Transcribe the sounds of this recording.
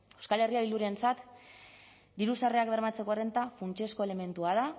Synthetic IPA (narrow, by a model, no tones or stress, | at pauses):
e̞wskale̞riaβiluɾie̞nt͡sat̪ | d̪iɾusareakβe̞ɾmat͡se̞ko̞are̞nt̪afunt͡ʃe̞skoele̞me̞nt̪uað̞a